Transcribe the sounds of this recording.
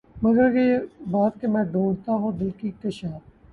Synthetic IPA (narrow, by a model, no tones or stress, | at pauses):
mɐɡəɾkebaːt̪̚kemɛ̃ːɖũːɳɖt̪aɦõd̪ɪlkik̚t̪ɪʃaːf